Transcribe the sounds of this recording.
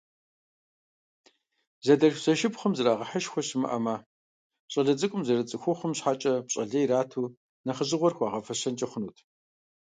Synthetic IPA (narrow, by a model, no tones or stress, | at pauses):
zɐdɐʃzɐʃɪpχəmzɨraːʁɐħəʃxʷɔɕɪmɨ̰ʔɐmaː | ɕʼɐɮɐt͡sʼɨkʷʼʊmzɐrɨt͡sʼɨxʷʊχəmɕħat͡ʃʼɐpɕʼɐɮɐjɾaːtʰuː | nɐχəʑɨʁʷɔrxʷɑːʁɐfɐɕɐnt͡ʃʼɐχʷʊnuːtʰ